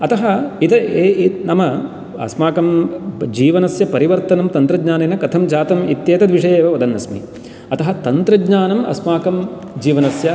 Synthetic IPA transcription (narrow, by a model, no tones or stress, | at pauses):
ɐt̪ɐɦɐit̪ɐenɐmɐ | ɐ̰smaːkɐmd͡ʒiːʋɐnɐsjɐpɐɾiʋɐɾt̪ɐnɐmt̪ɐnt̪ɾɐɡɲaːneːnɐkɐt̪ʰɐmd͡ʒaːt̪ɐmit̪jeːt̪ɐd̪ʋiʂɐjeːʋɐʋɐd̪ɐnːɐsmḭ | ɐt̪ɐɦɐt̪ɐnt̪ɾɐɡɲaːnɐmɐ̰smaːkɐm | d͡ʒiːʋɐnɐsjɐ